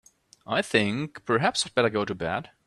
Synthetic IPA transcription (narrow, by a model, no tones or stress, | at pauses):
ʔaɪθɪ̃ŋkpʰə˞ɦæpsad̚bɛɾə˞ɡoʊɾɨbæ̰d̥